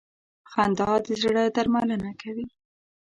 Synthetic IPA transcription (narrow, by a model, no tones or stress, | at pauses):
xand̪ɑd̪əzɽəd̪aɾmalənakawi